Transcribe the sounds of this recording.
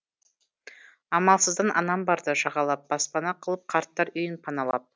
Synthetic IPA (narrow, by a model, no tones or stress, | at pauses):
ɑmɑlˠsəzd̪ɑnʔɑnɑmbɑɾd̪əʒɑʁɑlˠɑp̚b̥ɑspɑnɑqʰəlˠəp̚qʰɑɾt̪ːɑɾʏjɪnpʰɑnɑlˠɑ̰p̚